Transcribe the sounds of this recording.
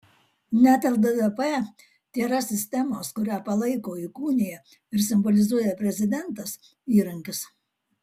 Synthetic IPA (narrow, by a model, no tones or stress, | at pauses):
nʲæt̪ʲɛlˠd̪ɛd̪ɛpɛ | t̪ʲeːɾɐsʲɪsʲt̪ʲɛmoːskʊɾʲæːpɐlˠɐɪkoːikuːnʲɪjɛ | ɪɾsʲɪmbɔlʲɪzuɔjɛpʲɾʲɛzʲɪd̪ʲɛnˑt̪ɐs | iːɾɐŋʲkʲɪs